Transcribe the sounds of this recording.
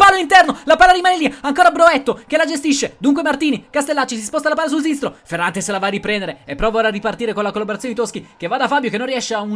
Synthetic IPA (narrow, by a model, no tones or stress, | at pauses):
paːloint̪ɛrnolapaːlaɾimaːneliaŋkoːɾabɾoɛt̪ːokelad͡ʒest̪iʃːed̪uŋk̬wemart̪iːnikast̪elːat͡ʃːis̬ispɔst̪alapaːlːas̬ulsinst̪ɾoferːant̪eselavaːrːipɾɛnd̪eɾeepːɾɔːvaoɾaripart̪iːɾekonlakolːaboɾat̪sonit̪oskikevad̪afaːbjokenːõnrːiɛʃːeaun